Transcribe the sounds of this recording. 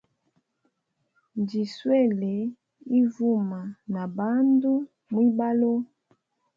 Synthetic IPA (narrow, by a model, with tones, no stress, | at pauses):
ndi˨swɛ˦˨le˨ | i˦vu˦˨ma˨na˨ba˦ndu˦ | mwi˦ba˦lo˦